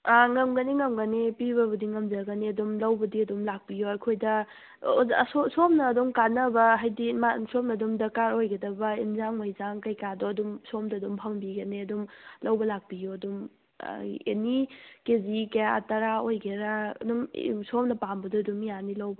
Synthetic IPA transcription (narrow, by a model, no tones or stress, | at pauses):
aŋɐmɡɐniŋɐmɡɐnepibɐbɐdiŋɐmzɐɡɐneɐdumlɐwbɐdiɐdumlak̚pijoɐjkʰojdɐ | sosomnɐːdumkanɐbɐɦajdimasomnɐdumdɐkaɾojɡɐdɐbɐinzaŋmɐjzaŋkɐjkadɔɐdumsomdɐdumpʰɐmbiɡɐneɐdumlɐwbɐlak̚pijuɐdum̰ | ḛnikezikɐjaa̰tɐɾaojɡeɾaɐ̰dumsomnɐpambɐdɔɐdumijanilɐwbɐ